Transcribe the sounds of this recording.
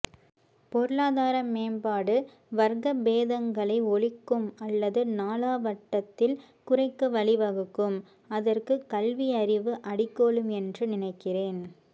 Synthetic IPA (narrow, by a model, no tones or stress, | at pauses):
pɔɾɯɭaːðaːɾɐmːeːnbaːɽɯ | ʋɐɾɣɐbeːðɐŋɡɐɭɐɪɔɭɪkːɯmɐlːɐðɯnaːlaːʋɐʈːɐt̪ːɪl | kʊrɐɪkːɯʋɐɭɪʋɐɣɯkːɯm | ɐðɐrkɯkɐlʋiɐɾɪʋɯʔɐɽɪkːoːɭɯmɛndrɯnɪnɐɪkːɪreːn